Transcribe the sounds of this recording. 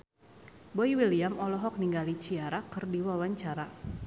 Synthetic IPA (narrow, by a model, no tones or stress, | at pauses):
bɔiwiliamɔlɔɦɔk̚niŋɡalit͡ʃiaɾakɨrdiwawaɲt͡ʃaɾa